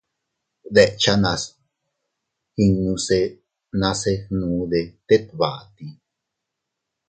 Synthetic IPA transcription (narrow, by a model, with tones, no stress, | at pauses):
d̪eʔt͡ʃanã˧s | hi˧ŋːũ˧se | nãse˦nũ˨ðe˨t̪e˦t̪̚βa˨ʔt̪i˨